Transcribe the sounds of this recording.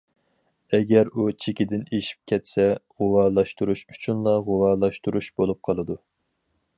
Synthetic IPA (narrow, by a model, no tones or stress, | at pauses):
ɛɡʲɛɾut͡ʃʰekʲɪd̪ɪneʃi̥p̚kʲʰɛt̪sɛʁowɑːlˠɑʃt̪uɾuʃy̥t͡ʃʰynlˠɑʁowɑːlˠɑʃt̪uɾuʃb̥olˠup̚qʰɑlˠɨd̪u